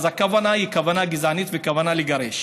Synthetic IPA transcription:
zakavanahikavanaɡizanit̪vekavanaleɡaʁeʃ

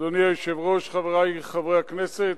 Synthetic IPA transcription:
doniajoʃevʁoʃχaveʁajχavʁehaknɛse

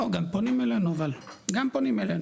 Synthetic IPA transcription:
oɡamponimelanovalɡamponimelan

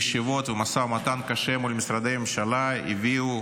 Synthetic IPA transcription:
ʃivo̞t̪vemasamat̪ankaʃemulʲmisɾad̪ejmemʃalaḭviu

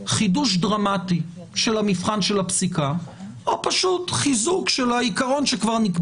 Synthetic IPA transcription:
χiduʃ̬dʁamati | ʃelamifχanʃelhapsika | ʔopaʃutχizukʃelaikaʁo̞nʃekvaʁnik

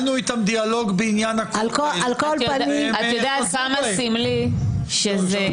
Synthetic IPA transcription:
nuit̪amd̪ialoɡbeinjanakalalkoljadniat̪jod̪eakamasimliʃeze

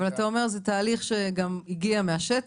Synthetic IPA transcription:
valat̪ao̞meʁzet̪aːliχʃe̞ɡamiɡiameaʃet

